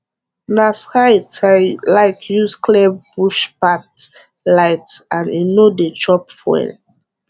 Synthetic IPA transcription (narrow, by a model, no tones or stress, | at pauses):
nashajtlaɪtjuskʰlɛbbuʃpat | laɪtãninodet͡ʃɔpfɔ̰ɛ̰n